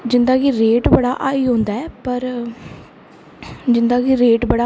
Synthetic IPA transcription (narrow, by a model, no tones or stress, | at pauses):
d͡ʒɪnd̪aːkiɾeːʈbəɽaːʔaːiːɦõːnd̪aːɛːpəɾ | d͡ʒɪnd̪aːkiɾeːʈbəɽaː